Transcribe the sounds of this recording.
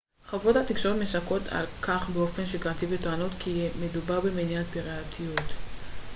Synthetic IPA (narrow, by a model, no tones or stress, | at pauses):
χavothat̪ikʃootmesako̞tʰa̰lkʰaχbeo̞fe̞nʃeɡat̪ivetoanotkʰimedubaʁbemeniat̚piʁeat̪ʰijut̪